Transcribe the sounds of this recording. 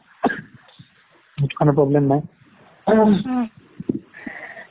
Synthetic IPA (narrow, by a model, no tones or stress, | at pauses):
etu̥kʰanɔpɹɔblɛmnaj